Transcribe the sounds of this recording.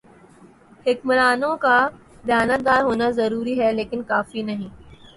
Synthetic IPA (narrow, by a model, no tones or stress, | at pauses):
hɪkməɾaːnõka | d̪jaːnət̪̚d̪aːɾɦoːnazɐɾuːɾiɦɛleːkɪnkaːfinɐɦĩː